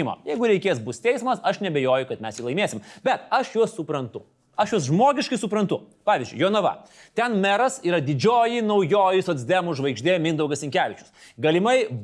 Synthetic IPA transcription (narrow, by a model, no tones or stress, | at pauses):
ɪmo̰ːjɛɪɡʊɾʲɛɪkʲeːs̬bʊsʲt̪ʲɛɪsmɐsɐʃnʲɛbʲejoːjʊkɐt̪mʲɛsjiːlˠɐɪmʲeːsʲɪmbʲɛt̪ɐʃjuɔssʊpɾɐnt̪ʊ | ɐʃjuɔsʒmoːɡʲɪʃkɐɪsʊpɾɐnt̪ʊpɑːʋʲɪzʲd͡ʒʲʊ̰ɪjoːnɐʋɐ̰t̪ʲɛnmʲɛɾɐsiːɾɐd̪ʲɪd͡ʒʲoːjinɐʊjoːjɪsoːd̪zʲd̪ʲɛmʊʒʋɐɪɡʒʲd̪ʲeːmʲɪnd̪ɐʊɡɐsʲɪŋʲkʲæːʋʲɪt͡ʃʲʊ̥s | ɡɐlʲɪmɐɪ